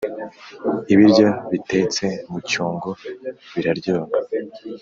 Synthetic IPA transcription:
iβiɾɟaβite̞t͡se̞mucuːŋɡo̞βiɾaɾɟoːŋa

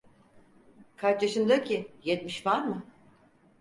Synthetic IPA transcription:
kʰaɾt͡ʃjaʃɯnd̪acʰijɛt̪miʃvaɾmɯ

